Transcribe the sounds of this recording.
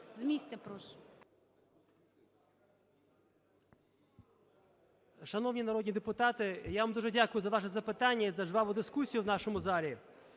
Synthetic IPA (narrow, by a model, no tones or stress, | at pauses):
zmʲisʲt͡sʲɐpɾɔʃ | ʃɐnɔwnʲinɐɾɔd̪ʲnʲid̪epʊt̪ɑt̪ɪjaʋɐmd̪uʐɛdʲakʊjʊzɐʋɑʃɛzɐpɪt̪anʲːɐizɐʐʋɑʋʊd̪ɪskusʲijʊwnɑʃɔmʊzɑlʲi